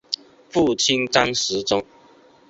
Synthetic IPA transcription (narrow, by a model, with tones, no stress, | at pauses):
fu˥˨t͡ɕʰi˦˥nt͡sa˦ŋʂɻ̩˨˦t͡sʊ˥˦ŋ